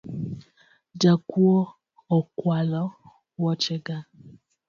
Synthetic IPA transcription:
d͡ʒakuɔ | ɔkwalɔ | wɔt͡ʃeɡa

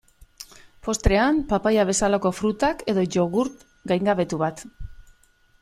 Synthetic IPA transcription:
po̞st̪ɾe̞ampapajaβ̞e̞salako̞fɾut̪ake̞ðo̞ʝo̞ɣuɾt̪ | ɡajŋɡaβe̞t̪uβat̪

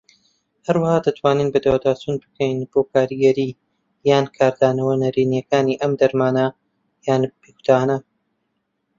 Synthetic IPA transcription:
hɐɾwɐhaːd̪ɐt̪ʰwaːninbɐd̪awd̪aːt͡ʃun̚bɨ̥kʰɛjnb̥oːkʰaːɾiɡɐɾiː | jaːnkʰaːɾd̪aːnɐwɐnɐɾiːnijɐkaːniːʔɐmd̪ɐɾmaːnɐ | jaːnb̥eku̥t̪ʰaːnɐ

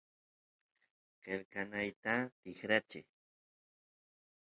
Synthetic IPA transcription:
qelkanajt̪at̪ɪχɾat͡ʃɪ̰j

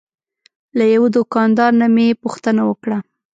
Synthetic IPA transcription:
lajawed̪ʊkɑnd̪ɑɾnamepuxt̪ənawəkɽa

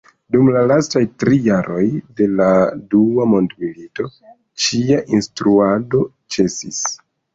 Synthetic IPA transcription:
dumlalastajtɾijaɾʔo̞jde̞laduamo̞ndmilito̞ | t͡ʃiaʔinstɾuado̞ | t͡ʃe̞sḭs

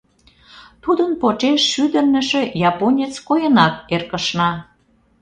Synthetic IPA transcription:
t̪ud̪ənpot͡ʃeʃːyd̪ə̆rnə̆ʃĕjɑponʲet͡skojənɑk̚erkə̆ʃnɑ

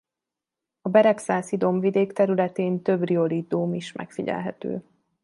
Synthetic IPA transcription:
ɒbɛɾɛksaːsid̪o̞mvid̪eːkt̪ɛɾylɛt̪eːnt̪øbrio̞lid̪umiʃmʔɛ̰kfiɟɛ̰lɦɛ̰t̪ø̰ː

